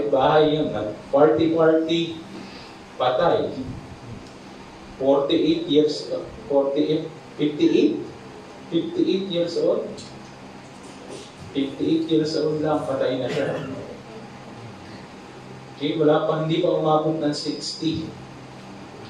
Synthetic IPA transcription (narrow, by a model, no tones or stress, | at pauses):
baːɦɐjːanːɐŋpwaɹt̪ɪpaɹt̪i | pat̪aj | foɹt̪ɪʔejt̪jiɹsʔofoɹt̪ɪʔet̪ | fɪft̪ɪʔejt̪̚ | fɪft̪ɪʔejt̪̚jiɹsɐʔon | fɪft̪ɪʔejt̪̚jiɹsɐʔonlɐŋpɐt̪ajnɐʃano | okɛwɐlaːpɐnd̪ibɐʔʊmaːbʊt̪̚nɐŋsɪkst̪ɪ